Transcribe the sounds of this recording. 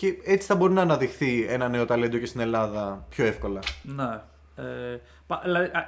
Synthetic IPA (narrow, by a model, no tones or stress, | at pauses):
ceet͡si̥θɐbo̞ɾinɐːnɐðixθie̞nɐne̞o̞t̪ɐled̪o̞cest̪ine̞lɐðɐpço̞e̞fko̞lɐne | e | pɐilɐðiʔ